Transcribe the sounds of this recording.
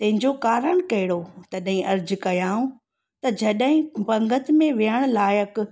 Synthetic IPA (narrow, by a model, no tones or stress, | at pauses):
t̪ɐ̃ɦɪ̃ɲd͡ʑokaːɾəɽ̃kɐɦɪɽot̪ɐɗɦĩʔɐɾd͡ʑkɐjaːũ | t̪ɐd͡ʑɐɗɦɪ̃bɐ̃ŋɡʱət̪mẽʋiəɽ̃laːjək